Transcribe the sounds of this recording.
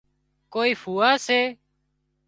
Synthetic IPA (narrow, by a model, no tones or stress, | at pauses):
koːiːfuːaːseː